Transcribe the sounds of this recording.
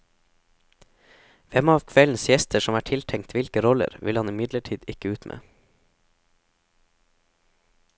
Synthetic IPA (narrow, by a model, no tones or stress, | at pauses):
ʋɛmɑːʋkʰʋɛln̩sjɛst̪ʰəʃɔmæːʈʰɪlt̪ʰɛŋt̪ʰʋɪlkəɾɔlə̰ɾʋɪ̰lhɑnɪmɪd̪ləʈʰiːd̪ɪkəʉːt̪mʔḛː